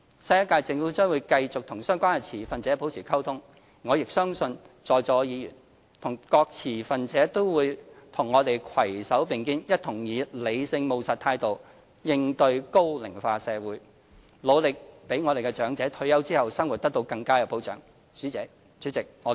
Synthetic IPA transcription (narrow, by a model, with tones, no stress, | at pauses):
sɐ˧jɐ˥kaː˧jt͡sɪ˧ŋfu˨˥t͡ʃœː˥ŋwuː˨˧jkɐ˧jt͡sʊ˨k̚t̪ʰʊ˨˩ŋsœː˥ŋkʷaː˥nkɛ˧t͡sʰiː˨˩fɐ˨nt͡sɛː˨˥po˨˥wt͡sʰiː˨˩kʰɐ˥wt̪ʰʊ˥ŋː | ɔː˨˧jɪ˨k̚sœː˥ŋsɵ˧n | t͡sɔː˧jt͡sɔː˧jiː˨˧jyː˨˩n | t̪ʰʊ˨˩ŋkɔː˧k̚t͡sʰiː˨˩fɐ˨nt͡sɛː˨˥t̪o˥wwuː˨˧jt̪ʰʊ˨˩ŋːɔː˨˧t̪e˨jkʰwɐ˨˩jsɐ˨˥wpɪ˨ŋkiː˥njɐ˥t̚t̪ʰʊ˨˩ŋjiː˨˧le˨˧jsɪ˧ŋmo˨wsa˨˩t̪ʰːaː˧jt̪o˨w | jɪ˧ŋt̪ɵ˧ɥko˥wlɪ˨˩ŋfaː˧sɛː˨˧wuː˨˥j | lo˨˧wlɪ˨k̚pe˨˥ŋɔː˨˧e˨jkɛ˧t͡ʃœː˨˥ŋt͡sɛː˨˥t̪ʰɵ˧ɥjɐ˥wt͡siː˥hɐ˨wsɐ˥ŋwu˨t̚t̪ɐ˥k̚t̪o˧wkɐ˧ŋkaː˥jɐ˧wpo˨˥wt͡ʃœ̰ː˨˥ŋ | t͡syː˨˥t͡sɛː˨˥ | t͡sy˨˥t͡sɪ˨k̚ŋɔː˨˧